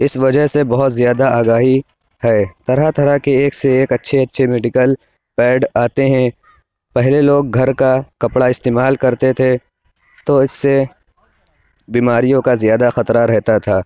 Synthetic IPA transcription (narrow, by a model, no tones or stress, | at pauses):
ɪsʋɐd͡ʒəɦsebɐɦʊt̪zjaːd̪aaːɡaːɦi | hɛːt̪ɐɾat̪ʰɐɾakeːkseːkɐtːʃʰeɐtːʃʰemeːɖɪkəl | pɛːɖaːt̪eɦɛ̃ | pɛɦleloːɡ̚ɡʱɐɾkakɐpɽaɪst̪eːmaːlkɐɾt̪et̪ʰe | t̪oɪsːe | biːmaːɾijõkazjaːd̪axɐt̪ɾaɾɛɦt̪at̪ʰaː